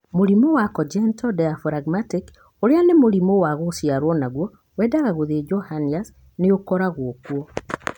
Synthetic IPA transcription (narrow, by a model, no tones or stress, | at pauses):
moɾimowakɔd͡ʒɛntɔdɛafɾaɡmatik | oɾeanemoɾimowaɣosjaɾwɔnaɣwɔ | wɛːdaɣaɣoðed͡ʒɔhanias | neokɔɾaɣoːkwɔ